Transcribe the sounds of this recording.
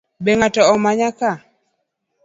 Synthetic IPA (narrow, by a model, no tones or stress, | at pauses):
bɛŋatɔɔmaɲaka